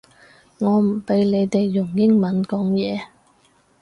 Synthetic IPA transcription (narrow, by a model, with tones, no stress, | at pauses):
ŋɔː˨˧m̩˨˩pe˨˧jle˨˧jt̪e˨jːʊ˨˩ŋjɪ˥ŋmɐ˨˧nkɔː˨˥ŋjɛː˨˧